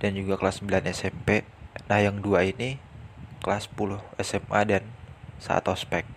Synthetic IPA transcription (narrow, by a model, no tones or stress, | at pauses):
d̥and͡ʒuɡakəlasːəmbilanɛsɛmpenahjaŋduainikəlaspulʊhɛsɛma̰dansa̰ʔa̰t̪ɔspɛk̚